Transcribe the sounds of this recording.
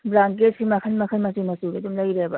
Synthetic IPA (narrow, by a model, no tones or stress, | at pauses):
bɾaŋket̚sʰimɐkʰɐnmɐkʰɐnmɐsimɐsuɾedumlɐjɾebɐ